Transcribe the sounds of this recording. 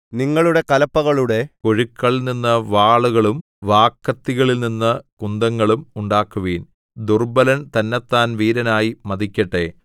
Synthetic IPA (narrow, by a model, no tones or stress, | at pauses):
niŋːɐɭuɽe̞kɐlɐpːɐɣɐɭuɽe̞koɻikːɐɭilninːɐʋaːɭuɣɐɭum | ʋaːkːɐt̪ːiɣɐɭilninːɐkund̪ɐŋːɐɭumuɳɖaːkːuʋiːn | d̪urbɐlɐnt̪ɐnːɐt̪ːaːnʋiːɾɐnaːjimɐd̪ikʲːɐʈːe̞